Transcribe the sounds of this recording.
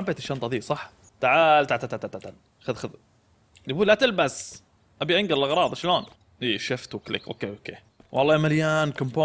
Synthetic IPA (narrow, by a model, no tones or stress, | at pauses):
abeːt̪ɪʃːaːnt̪ˤɑðiːsˤɑħ | t̪aʕaːlt̪aʕt̪at̪ːat̪ːat̪ːat̪al | xaðxað | nbuːlːat̪ɪlbas | ʔabiʔɪŋɡɪɾɪlʔɑɣɾˤɑːðˤʃloːn | ʔiːʃɪft̪wɪklɪ̰kʔo̰keːʔokeː | wʔɑ̰lˤːɑːmaljaːnkʊmpoː